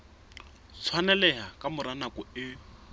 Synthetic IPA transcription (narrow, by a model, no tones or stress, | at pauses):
t͡sʰwanɛlɛɦakʼamʊɾanakʼɔɪ